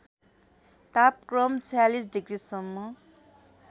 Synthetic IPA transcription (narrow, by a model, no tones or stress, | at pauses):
t̪ap̚krʌmt͡sʰjalisɖiɡrisʌmːʌ